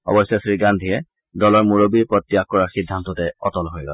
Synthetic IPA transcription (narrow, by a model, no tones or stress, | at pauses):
ɔ̰bɔsɔsɹiɡandʱijɛ | dɔlɔɹmuɹobiɹpɹɔtːijakkːɔɹaxidʱːantɔtɛɔ̰tɔlɦojɡɔ̰l